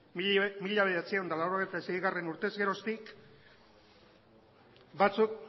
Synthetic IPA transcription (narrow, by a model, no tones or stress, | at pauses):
miʎaβe̞ðat͡siaond̪alawɾo̞ɣ̞ejt̪aesejɣare̞nuɾt̪e̞zɣe̞ɾo̞st̪ik | bat͡suk